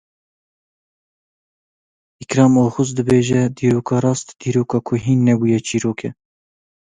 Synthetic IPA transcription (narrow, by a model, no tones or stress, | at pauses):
ikɾɑːmoːxʊzd̪ɨbeːʒɛd̪iːɾoːkʰɑːɾɑːst̪d̪̥iːɾoːkɑːkʰʊɦiːnːɛbuːjɛt͡ʃʰiːɾoːkʰɛ